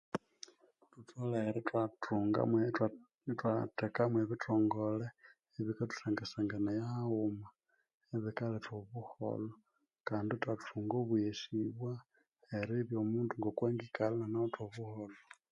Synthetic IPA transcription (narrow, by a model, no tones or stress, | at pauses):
tutʰoleːɾitwatuːŋɡa̰me | twatekamweβitʰoːŋɡole | eβikatu̥saŋɡasaŋɡanajauma | eβikaletwoβuho̰lo | kaːnditwatʰuːŋɡoβueʃiβwa | eɾiβjomuːnduŋɡokwaːŋɡikalananaotwoβuholo